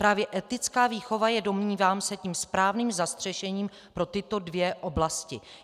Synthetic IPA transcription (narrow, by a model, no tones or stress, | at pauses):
pɾaːvjɛʔɛt̪ɪt͡skaːviːxo̞vajɛdo̞mɲiːvaːmsɛciːmspɾaːvniːmzast̪r̝̥ɛʃɛɲiːm | pɾo̞t̪ɪt̪o̞dvjɛʔo̞blascɪ